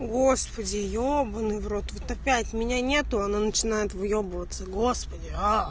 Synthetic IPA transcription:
ɡo̞spədʲɪjobənɨvro̞t̪vot̪ɐpʲætʲʊmʲɪnʲanʲe̞t̪ʊɐnanət͡ɕɪnajɪt̪vɨjobəvət̪səɡo̞spədʲɪa

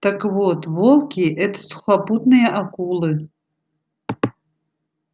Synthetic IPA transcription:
t̪akvot̪ʰvolˠkʲiʔɛt̪ʰḁsu̥χʷapud̪nɨjɐʔakʼulˠɨ

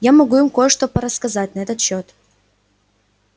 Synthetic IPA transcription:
jamɐɡuɪmkojəʂt̪opəɾəskɐzatʲnɐɛt̪ət̪ɕːot̪

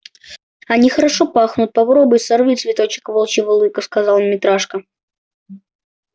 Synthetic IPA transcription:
ɐnʲixəɾɐʂopaxnʊt̪̚pɐpɾobʊjsɐrvʲit̪ʲsvʲɪt̪o̞t͡ɕɪ̥kvolˠt͡ɕɪvɨlˠɨjkəskɐzɑlˠmʲɪt̪ɾaʂkə

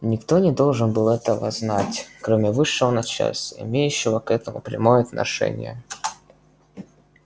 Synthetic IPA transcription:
nʲɪkt̪o̞nʲɪd̪o̞lˠʐɨnbɨlˠɛt̪əvə̰znatʲkɾomʲɪvɨʂːɨvənɐt͡ɕa̰lʲsʲəɪ̰mʲejʉɕːɪvəkɛt̪əmʊ̰pɾʲɪ̰mojəɐt̪nɐ̰ʂɛ̰nʲɪ̰jə̰

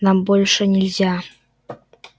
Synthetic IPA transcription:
nambolʲʂənʲɪlʲzʲa

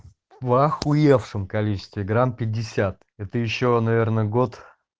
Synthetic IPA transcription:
vaxʊjefʂəmkɐlʲit͡ɕɪ̥st̪vʲɪɡɾampʲɪdʲːɪsʲat̪̚ | ɛt̪əjɪɕːonɐvʲe̞rnəɡo̞t̪

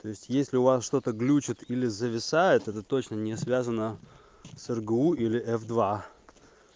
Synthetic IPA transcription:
t̪o̞ɪsʲtʲjesʲlʲɪʊvasʂt̪o̞t̪əɡlʲut͡ɕɪt̪ilʲɪzəvʲɪsajɪt̪ɛt̪ət̪o̞t͡ɕnənʲɪsvʲæzənə | sɛrɡəuilʲɪʔɛfd̪va

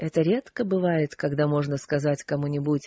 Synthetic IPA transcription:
ɛt̪əɾʲe̞t̪kəbɨvajɪt̪kɐɡd̪amo̞ʐnəskɐzatʲkɐmunʲɪbutʲ

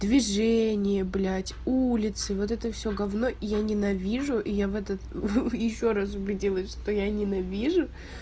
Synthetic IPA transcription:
d̪vʲɪʐɛnʲɪjəblʲatʲulʲɪt̪sɨvo̞t̪ɛt̪əfsʲoɡɐvno̞ʔijanʲɪnɐvʲiʐʊʔijavɛt̪ət̪jɪɕːo̞ɾas̬ʊbʲɪdʲilˠəsʲʂt̪ojanʲɪnɐvʲiʐʊ

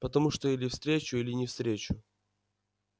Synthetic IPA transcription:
pət̪ɐmuʂt̪oilʲɪfst̪ɾʲet͡ɕʊilʲɪnʲɪfst̪ɾʲet͡ɕʊ

